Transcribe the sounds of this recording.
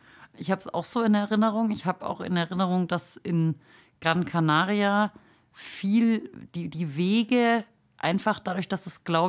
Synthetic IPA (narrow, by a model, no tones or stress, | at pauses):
ʔɪçhaːbəsa̰ʊxz̥oːɪnɛʁɪnəʁ̞ʊŋɪçhaːbəʔa̰ʊxɪ̰nɛɐʁɪnəʁ̞ʊŋd̥asʔɪn | ɡ̥ʁankʰanaːʁia | fiːld̥iːdiːveːɡə | ʔa̰ɪnfaχd̥adʊɐçd̥asd̥asɡ̥laʊ